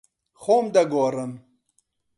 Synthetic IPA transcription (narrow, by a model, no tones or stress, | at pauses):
xoːmd̪ɐɡoːɾɐn